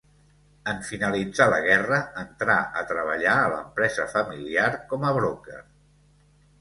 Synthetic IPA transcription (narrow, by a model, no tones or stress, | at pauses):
əɱfinəlid͡zaləɣ̞ɛrəənt̪ɾaʔət̪ɾəβ̞əʎaələ̰mpɾɛzəfəmiliaɾkɔməβɾokə̰r